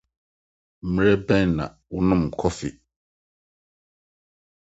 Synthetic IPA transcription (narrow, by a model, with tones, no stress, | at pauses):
m̩˨m˨˦ɾɛ˦bɛ̃˦n˨nã̰˨wʊ˦nʊ̃˦m˨kʰɔ˦fɪ˨